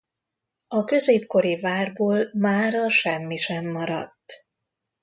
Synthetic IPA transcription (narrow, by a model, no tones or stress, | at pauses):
ɒkø̞zeːp̚ko̞ɾivaːrboːlmaːɾɒʃɛmːiʃɛmːɒɾɒ̰t̪ː